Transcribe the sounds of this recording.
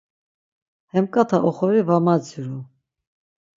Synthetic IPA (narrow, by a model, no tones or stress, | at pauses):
hɛmkʼat̪ʰaʔɔχɔɾivamad͡zuɾu